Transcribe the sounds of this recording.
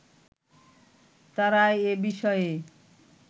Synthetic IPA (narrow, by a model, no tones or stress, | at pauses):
t̪aɾaeebiʃɔe